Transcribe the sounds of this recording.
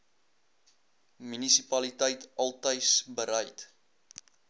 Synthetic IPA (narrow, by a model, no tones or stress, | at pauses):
mynisipɐlitəjtɐlˠtəjsbəɾɛjt